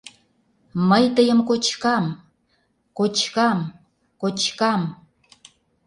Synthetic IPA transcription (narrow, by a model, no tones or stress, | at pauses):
məjt̪əjəmkot͡ɕkɑm | kot͡ɕkɑm | kot͡ɕkɑm